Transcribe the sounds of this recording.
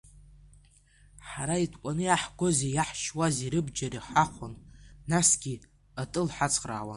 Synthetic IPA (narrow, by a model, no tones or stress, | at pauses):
ħaɾaitʰkʷʼanɨjaħɡʷo̞zejaħʃwaziɾɨbd͡ʒaɾiħaχʷʊnːasɡʲi | atʼɨlħat͡sʰʼqʼra̰ːwa̰